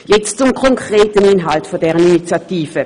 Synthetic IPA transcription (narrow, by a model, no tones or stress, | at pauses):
jɛt͡stt͡sʊmkʰɔŋkʁ̥eːtəninɦaltfodɛːʁəninit͡sjatiːfə